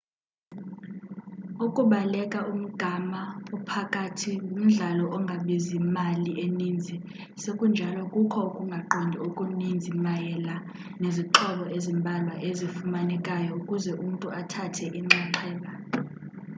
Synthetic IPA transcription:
ukʼuɓalɛkʼaʔum̩ɡ̥ʱamaɔpʰakʼatʰium̩ɮalɔʔɔŋɡʱaɓezimaliʔenind͡zʱi | sekʼund͡ʒʱalɔkʼukʰɔukʼuŋɡʱaǃɔndʱiokʼunind͡zʱimajɛla | neziǁʰɔɓɔʔezimbʱalwaʔezifumanɛkʼajɔukʼuzɛʔum̩tʼuʔatʰatʰɛʔiŋ͡ǁɛǁʰɛːlʼa

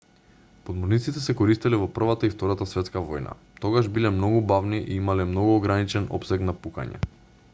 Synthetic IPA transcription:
pod̪mɔɾnit̪sit̪ɛsɛkɔɾist̪ilɛvɔpr̩vat̪aift̪ɔɾat̪asvɛt̪skavɔjna̰ | t̪ɔɡaʒbilɛmnɔɡubavniʔiimalɛmnɔɡuoɡɾanit͡ʃɛnɔ̰psɛknapuka̰ɲɛ̰

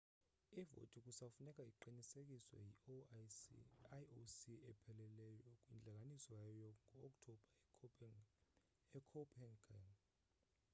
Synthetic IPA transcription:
ivo̰tʼik̬ʼusafunɛkʼaiǃinisek̬ʼiswɛ̰ji | aosiɛpʰɛlɛlɛjɔkʼwind͡ɮʱak̬ʼanisɔjajɔŋʱɔːkʼtʰɔb̥ʱa | ɛkʰɔpʰʼɛnɡaŋ

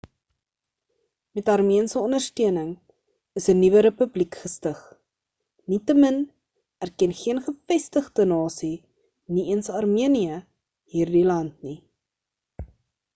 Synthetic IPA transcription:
mɛtɐrmiənsəɔndərstyənəŋ | əsənivəɾəpʉblikχəstəχ | nitəmən | ærkɛnχiənχəfɛstəχdənɑːsi | niiənsɐrmiəniə | ɦiːrdilɐntni

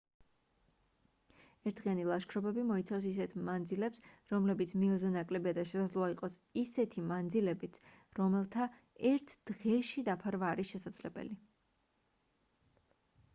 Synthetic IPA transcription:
ɛɾt̪ʰʁianilˠaʃkʰɾɔbɛbimɔit̪sʰafs̬is̬ɛt̪ʰmand̪zilɛpsɾɔmlɛbit̪sʰmilˠzɛnakʼlɛbiad̪aʃɛsad̪zlˠɔaiqʼɔsisɛt̪ʰimand̪zilɛbit̪s | ɾɔmɛlˠt̪ʰa | ɛɾt̪ʰd̪̥ʁɛʃid̪apʰaɾvaːɾisʃɛsad̪z̥lɛbɛ̰li

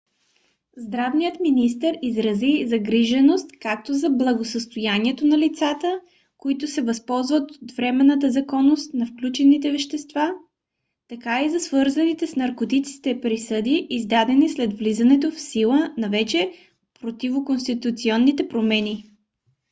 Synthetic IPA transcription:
zd̪ɾavnijət̪minist̪əɾizɾɐzizɐɡɾiʒɛnost̪kak̚t̪ozɐblˠɐɡosəst̪ojaniɛt̪onɐlit̪sat̪ə | koit̪ʊsɛvɐspɔlˠzvət̪ot̪vɾɛmɛnːət̪̬əzɐkɔnːost̪nɐfklʲut͡ʃɛnit̪ɛvɛʃt̪ɛst̪va | t̪ɐkaizɐsvɤɾzɐnit̪ɛsnɐɾkot̪it͡ʃ̪ki̥t̪ɛpɾisɤd̪iʔːzd̪ad̪ɛnislɛd̪vlizənɛt̪ofsilˠənɐvɛt͡ʃɛ | pɾot̪ivokonst̪it̪ut̪siɔnːit̪ɛpɾomɛni

